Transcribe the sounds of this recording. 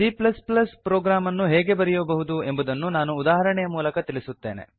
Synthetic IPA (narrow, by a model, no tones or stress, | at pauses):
iːplɐsplɐspɾoːɡɾaːmɐnːuɦɛːɡe̞bɐɾɛjobɐɦud̪ue̞mbud̪ɐnːunaːnuːd̪aːɦɐɾɐɳɛjɐmuːlɐkɐt̪iɭisut̪ːe̞̰ːnḛ